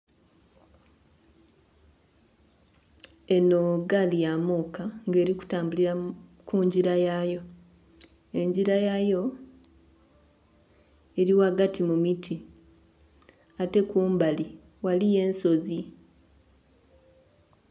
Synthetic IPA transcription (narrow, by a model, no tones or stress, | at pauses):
e̞no̞ɡalijamukaŋɡe̞ːɾiku̥taːmbuliɾakuɲɟiɾajajo̞ | e̞ɲɟiɾajajo̞ | e̞ɾiwaɡatimumitʰi | ate̞kuːmbali | walije̞ːnso̞zi